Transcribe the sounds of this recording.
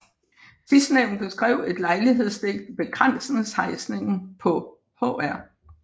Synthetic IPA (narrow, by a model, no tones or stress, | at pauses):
sisd̥neʊ̰n̩b̥e̝sɡ̥ʁɛ̰ʊ̰e̝d̥lɑ̈ɪliɦe̝ð̞̰ˠsd̥e̝ɡ̥̚d̥b̥e̝ɡ̥ʁan̰sn̩shɑ̈ɪsne̝ŋn̩pʰɒ̽ | hɔ̰æɐ̰